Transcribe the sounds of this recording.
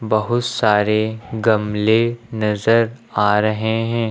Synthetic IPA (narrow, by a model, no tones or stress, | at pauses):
bɐɦʊt̪saːɾeɡɐmlenɐzəɾaːɾɐɦeɦɛ̃ː